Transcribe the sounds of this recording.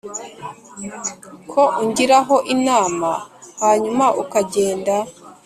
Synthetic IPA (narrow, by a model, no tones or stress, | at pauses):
kʰo̞ʔuɲɟiɾaɦo̞ʔinaːmahaːɲumaʔukaɟe̞ːnda